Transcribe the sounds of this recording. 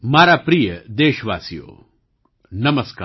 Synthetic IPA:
maːɾaːpɾijəd̪eːʃʋa̰ːsijo̰ː | nɐmɐskaː

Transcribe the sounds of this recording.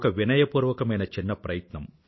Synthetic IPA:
kɐʋinɐjɐpuːɾʋɐkɐmɐjnɐt͡ʃinːɐpɾɐjɐt̪nɐm

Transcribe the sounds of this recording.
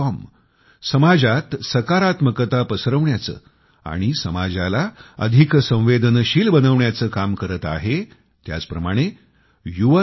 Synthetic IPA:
ɔm | səmad͡zat̪səkaɾat̪məkət̪apəsɾəʋɳjat͡sə̰ː | a̰ɽ̃isəmad͡zalaə̰d̪ʱiksə̃w̃ʋed̪nəɕiːlbənəʋɳjat͡səːkamkəɾət̪a̰ɦe | t̪ja̰t͡spɾəmaɽ̃e | juʋə

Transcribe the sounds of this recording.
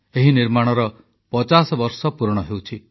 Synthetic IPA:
eɦiniɾmaɽ̃ɔɾɔ | pɔt͡ʃasɔbɔɾsɔpuɾɔɽ̃ɔɦewt͡ʃʰi

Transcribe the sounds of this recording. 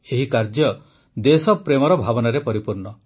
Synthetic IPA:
eɦikaɾd͡ʒjɔ | d̪esɔpɾemɔɾɔbʱabɔnaɾepɔɾipuɾɳɔ

